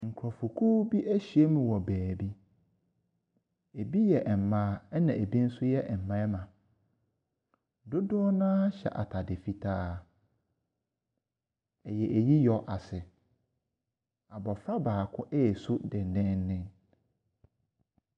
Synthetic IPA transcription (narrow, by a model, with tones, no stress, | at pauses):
ŋ̩˨kʰɾɔ˨fu˨kʰu˦bi˦ʔæ˦ɕi˨e˦mũ˨wɔ˨bæː˨bi˦ | e˨bi˦jɛ˨ʔɛ˨m̩˨mãː˦˨ɛ˦nã˨ʔe˨bi˦n̩˦sʊ˦jɛ˦ʔɛ˨m̩˨mã˦ɛ˦mã˨ | dʊ˦dʊ˦ɔ˦nã˦ɕɛ̰˨ʔa˨tʰa˨dɪ˨fi˦tʰaː˦ | ɛ˨jɛ˨ʔe˨ji˦jɔ˦ʔa˨sɪ˨ | a˨bɔ˨fɾa˦baː˨kʰʊ̃˦ʔɛ˦˨sʊ˦dɪ˨nɪ̃˦n˦nɪ̃˦n